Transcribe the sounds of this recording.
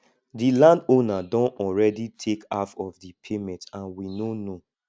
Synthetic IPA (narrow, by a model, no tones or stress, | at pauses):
dilãndonadɔ̃nɔlɹɛditʰekafɔvdipʰemɛ̃ntãnwinono